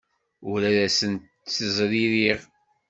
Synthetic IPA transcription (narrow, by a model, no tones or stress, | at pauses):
ʊɾæðæsənt̪ | θəzˤɾiɾiʁ